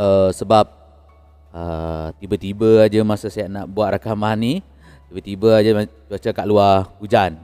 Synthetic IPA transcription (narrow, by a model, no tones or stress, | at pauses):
əsəbap̚ | ət̪ibət̪ibəad͡ʒəmasasajaʔnaʔbuaʔ̪ɾakamani | t̪ibət̪ibəad͡ʒət̪uat͡ʃakaʔluahud͡ʒan